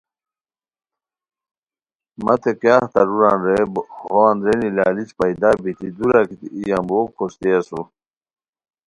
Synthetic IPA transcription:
mɐt̪ʰekjaːht̪ɐɾuɾaːnɾebhoand̪ɾenilaːlit͡ɕpɐjd̪aːbit̪id̪uɾakit̪ḭijamboːkkʰost̪iɐsu

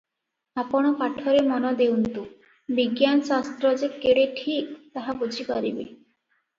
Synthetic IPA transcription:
apɔɽ̃ɔpaʈʰɔɾemɔnɔd̪ewnt̪u | biɡjansast̪ɾɔd͡ʒekeɽeʈʰik̚t̪aɦabud͡ʒʱipaɾibḛ

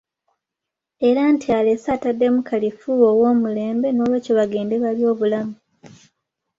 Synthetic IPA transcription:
e̞ɾantʰiale̞saːtadːe̞mukʰalifuowo̞ːmule̞ːmbe̞no̞ːβecoβaɡe̞ːnde̞βaljo̞ːβulamu

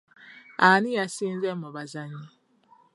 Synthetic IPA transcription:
anɪjasin̩zemɔbazaɲi

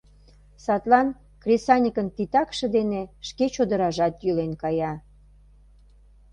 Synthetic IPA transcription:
sɑt̪lɑn | krʲesɑnʲəkənt̪it̪ɑkʃə̆d̪eneʃket͡ɕod̪əɾɑʒɑt̪jylenkɑjɑ

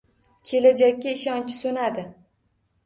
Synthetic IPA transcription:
kʲʰe̞lad͡ʒakʲːaɪʃɒnt͡ʃʰɪ̥sonad̪ɪ

